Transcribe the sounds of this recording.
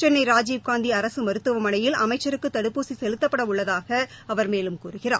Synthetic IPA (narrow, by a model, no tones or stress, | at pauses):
t͡ʃɛnːɐɪɾaːd͡ʒiːʋkaːnd̪iɐɾɐsɯmɐɾɯt̪ːɯʋɐmɐnɐjɪlʔɐ̰mɐɪt͡ʃːɐɾɯkːɯt̪ːɐɽɯpːuːsisɛlɯt̪ːɐpːɐɽɐʊɭːɐðaːɣɐ | ɐʋɐɾmeːlɯmkuːɾɯɣɪra̰ː